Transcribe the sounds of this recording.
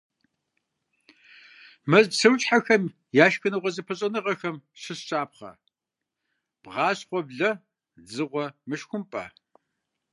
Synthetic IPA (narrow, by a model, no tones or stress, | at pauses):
mɐzsʰɨwɕʼħaxɐm | jaːʃxɨnɨʁʷɔzɨpʰɐɕʼɐnɨʁɐxɐmɕɨsɕʼaːp̚χɐ̰ | b̥ʁɑːɕχʷɔbɮɐ | d͡zɨʁʷɔmɨʃxʷʊmpʼɐ̰